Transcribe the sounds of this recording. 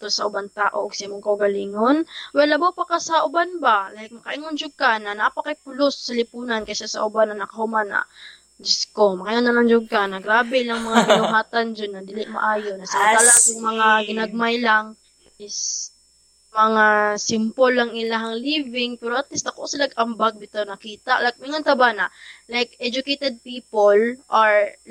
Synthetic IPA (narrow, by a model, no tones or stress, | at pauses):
t̪osɐʔʊbaŋt̪aːʔoʔɡsɪmoŋkɐʊɡɐliːŋonwɛlːɐbawpɐkasɐʔʊbanbalahɪk̚mɐkɐʔɪŋond͡ʒʊɡanɐnaʔapɐkajpʊlosːɐlɪpuːnankɐsasɐ̰ʔʊbanːɐnɐkɐhʊmanɐ̰ | d͡ʒɪskomɐkɐʔiŋonɐnɐŋd͡ʒʊɡ̚kanɐɡɾaːbɛlɐŋmɐŋabɪnʊŋaːt̪and͡ʒonːɐd̪ɪlɪʔmɐ̰ʔaːjonɐsɐmaalakʊŋmɐŋaɡɪnaɡ̚majlaŋ | ɪs | mɐŋasɪmpolːɐŋɪlaɦɐŋlivɪŋpɛɾoʔɐt̪̚list̪ɐkosɪlaɡɐmbaɡ̚d̪ɪt̪onɐkiːt̪aʔlajk̚mɪŋont̪ɐbanɐlajkɛd͡ʒʊkejt̪ɛd̪̚piːpolʔaɹ